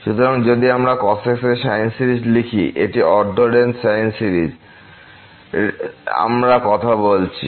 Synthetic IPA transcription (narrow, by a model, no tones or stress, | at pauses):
ʃut̪oɾaŋd͡ʑod̪iamɾakɔsekseʃajnsiɾid͡ʑlikʰiʔḛʈiɔɾɖ̪ʱoɖensajnsiɾid͡ʑ | a̰mɾakɔt̪ʰabolt͡ɕʰḭ